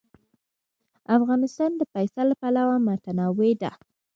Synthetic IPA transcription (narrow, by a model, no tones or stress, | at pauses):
afɣɑnɪst̪ɑnd̪əpajsalapalawamat̪anɑwed̪a̰